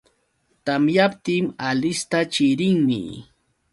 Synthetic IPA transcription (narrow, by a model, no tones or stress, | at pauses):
t̪amjap̚t̪ɪmalɪst̪at͡ʃɪɾɪŋmɪ̰